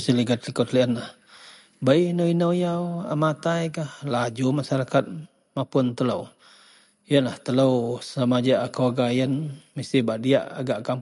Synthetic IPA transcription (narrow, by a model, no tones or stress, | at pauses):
siliɡat̪likɔt̪liənlah | bainowinəwjawa̰mat̪ajkahlad͡ʒumasaɾakat̪̚ | mapʊnt̪ələw | ijənlaht̪ələwsəlamad͡ʒaʔakowaɡajənmist̪ɪhbaʔdia̰ʔa̰ɡaʔkam